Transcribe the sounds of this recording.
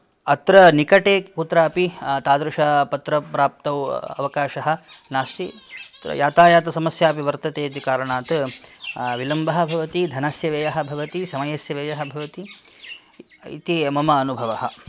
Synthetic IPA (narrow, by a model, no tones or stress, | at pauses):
ɐt̪ɾɐnikɐʈeːkut̪ɾaːpit̪aːd̪ɾuʃɐpɐt̪ɾɐpɾaːp̚t̪ɐwɐ̰ʋɐkaːʃɐɦɐ̆naːsʈit̪ɐ̰jaːt̪aːjaːt̪ɐsɐmɐsjaːpiʋɐɾt̪ɐt̪eːt̪ikaːɾɐɳaːt̪ | ʋilɐmbɐɦɐ̆bʱɐʋɐt̪id̪ʱɐnɐsjɐʋeːjɐɦɐ̆bʱɐʋɐt̪isɐmɐjɐsjɐʋeːjɐɦɐ̆bʱɐʋɐt̪i | ḭt̪imɐmɐːnubʱɐʋɐɦɐ̆